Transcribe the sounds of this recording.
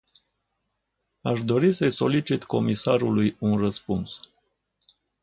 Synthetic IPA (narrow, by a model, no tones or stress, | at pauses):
aʃd̪o̞ɾisəjso̞lit͡ʃit̪ko̞misaɾulujunrəspuns